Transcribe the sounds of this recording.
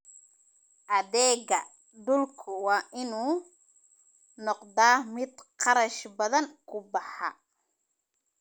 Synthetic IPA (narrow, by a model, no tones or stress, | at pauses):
ʔɐðɛːɣɐ | d̪ʊlkʰʊwɑːʔɪnuː | nɔqd̪aːmɪd̪qɑɾɐʃbɐðɐnkʰʊbɑħɑ